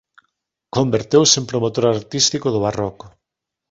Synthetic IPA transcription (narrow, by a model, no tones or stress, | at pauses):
kombeɾt̪ewsempɾomot̪oɾaɾt̪ist̪ikʊðʊβarɔkʊ